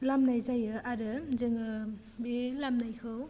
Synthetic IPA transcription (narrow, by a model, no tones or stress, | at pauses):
lamnajzajəʔaɾəzəŋə | bilamnajxəw